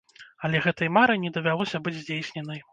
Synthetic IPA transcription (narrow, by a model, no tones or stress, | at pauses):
ɐlʲɛɣɛt̪ɐjmaɾɨjnʲɛd̪ɐvʲalˠɔsʲɐbɨd͡zʲzʲd͡zʲejsʲnʲɛnɐj